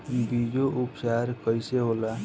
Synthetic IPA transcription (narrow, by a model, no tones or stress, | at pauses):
bid͡ʒoʔupt͡ʃaɾkəjseɦola